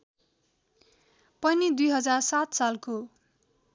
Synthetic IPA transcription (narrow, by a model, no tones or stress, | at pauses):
pʌnid̪ujɦʌd͡zarsat̪salko